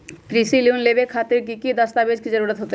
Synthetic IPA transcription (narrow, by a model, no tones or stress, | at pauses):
kɾisiliunlebekʰat̪eɾk̬ikid̪ɔst̪abed͡ʑkid͡ʑeɾuɽat̪ɦot̪e